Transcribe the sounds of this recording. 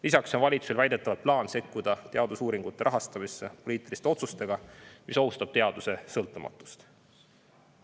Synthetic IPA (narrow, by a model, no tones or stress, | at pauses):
lisɑkso̞nvɑlʲit̪su̥selvæjd̪̥e̞t̪ːˑɑvɑplɑːnse̞kːud̪̥ɑt̪e̞ɑd̪̥usuːɾiŋɡ̥ut̪ːˑe̞ɾɑɦɑst̪ɑmisːe̞po̞liːt̪ːˑilist̪e̞o̞t̪sust̪e̞ɡ̥ɑmiso̞ust̪ɑb̥t̪e̞ɑd̪use̞sɤlt̪ːˑumɑ̰t̪ːˑu̥st̪